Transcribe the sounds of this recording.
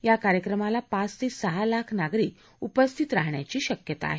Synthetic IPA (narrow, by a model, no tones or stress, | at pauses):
jakaɾjəkɾəmalapat͡st̪esəɦalakʰnaɡɾiːk | upəst̪ʰit̪ɾaɦɳja̰t͡ɕiːɕəkjət̪a̰ːɦe